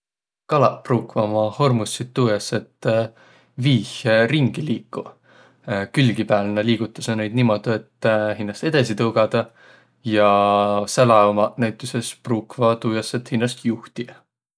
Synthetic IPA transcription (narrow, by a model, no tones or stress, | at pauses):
kɑlɑpruːkvɑmɑho̞rmusːit̪ːuːjɑsːe̞t̪ː | viːhriŋɡ̥iliːkːˑu | kylɡ̥ipæːlnɑliːɡ̥ut̪ːˑɑ̥senejd̪nimo̞d̪ue̞t̪ːhinːɑst̪e̞d̪̥ɑsit̪ɤwɡ̥ɑd̪̥ɑ | jɑsælɑomɑnæjt̪ˑːuse̞spruːkvɑt̪uːjɑsːet̪hinːɑst̪juht̪i